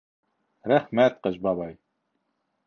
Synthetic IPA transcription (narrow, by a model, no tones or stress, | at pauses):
ɾæχmæt̪̚qɤʃbɑβɑj